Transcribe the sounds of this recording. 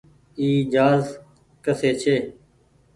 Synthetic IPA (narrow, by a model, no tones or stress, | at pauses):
iːd͡ʒaːz | kəseːt͡ʃʰeː